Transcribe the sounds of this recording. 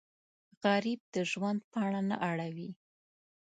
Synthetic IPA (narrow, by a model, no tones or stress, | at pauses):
ɣaɾib̚d̪əʒwand̪̚pɑaɽana̰ʔaɽawi